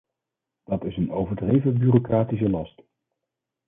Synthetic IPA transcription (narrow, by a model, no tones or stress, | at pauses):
d̥ɑtɪsənowvəɹdrejvəbyːrokraːtis̬əlɑst